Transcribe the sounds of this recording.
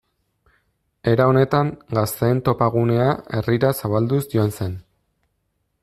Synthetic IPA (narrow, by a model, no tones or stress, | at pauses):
e̞ɾao̞ne̞t̪aŋɡast̪e̞ːnt̪o̞paɣ̞une̞ae̞riɾasaβald̪usdoanse̞n